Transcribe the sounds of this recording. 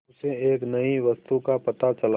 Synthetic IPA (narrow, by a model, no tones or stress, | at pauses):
ʊseeːknɐiʋɐst̪ukapɐt̪at͡ʃɐl